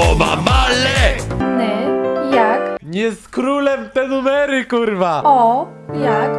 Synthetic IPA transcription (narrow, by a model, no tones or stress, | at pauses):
ɔma̰malɛnɛjakɲeskɾulɛmt̪ɛnumɛɾikuɾvaɔ | jak